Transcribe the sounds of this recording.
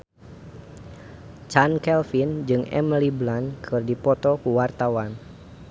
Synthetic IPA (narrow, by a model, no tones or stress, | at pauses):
t͡ʃankɛlfind͡ʒɨŋɛ̰mliblankʰɨrdipɔt̪ɔkuwart̪awan